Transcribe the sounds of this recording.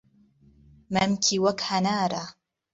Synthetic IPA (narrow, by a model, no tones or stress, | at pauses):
mamkʰiwakħanaːɾˤa